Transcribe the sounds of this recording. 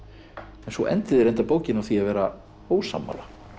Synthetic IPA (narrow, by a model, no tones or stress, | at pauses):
ɛnsvɔʔɛ̰nt̪ɪðɪɾejnt̪apoːwcɪnawθiavɛːɾa | hoːwsa̰mːa̰la